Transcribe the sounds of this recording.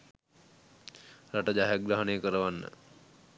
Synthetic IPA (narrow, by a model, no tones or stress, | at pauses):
ɾaʈəd͡ʒaɦjaɡɾaɦənejəkəɾəʋanːə̰